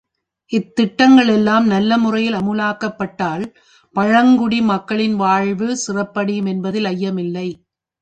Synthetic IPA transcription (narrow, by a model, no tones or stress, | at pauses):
ʔɪt̪ːɪʈːɐŋɡɐɭɛlːaːmnɐlːɐmɯrɐjɪlɐmɯlaːkɐpːɐʈːaːl | pɐɻɐŋɡʊɽimɐkːɐɭɪnʋaːɻʋɯsɪrɐpːɐɽɪjɯmɛnbɐðɪlɐjːɐmɪlːɐɪ